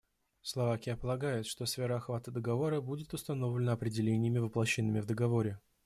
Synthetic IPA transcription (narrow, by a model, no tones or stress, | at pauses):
slˠɐvakʲɪjəpəlˠɐɡajʊt̪ʂt̪osfʲeɾəɐxvat̪əd̪əɡɐvo̞ɾəbudʲɪt̪ʊst̪ɐno̞vlʲɪnəɐpɾʲɪdʲɪlʲenʲɪjəmʲɪvəplˠɐɕːɪnːɨmʲɪvd̪əɡɐvo̞ɾʲɪ